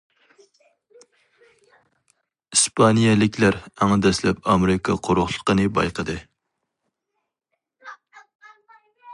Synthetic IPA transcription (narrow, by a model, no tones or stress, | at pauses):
ispʰɑnijɛlɪkʲlæɾæŋd̪ɛslɛpɑmeɾɪkʰɑ̰qʰoɾʊχlˠə̥qənɨbɑ̰jqəd̪ɨ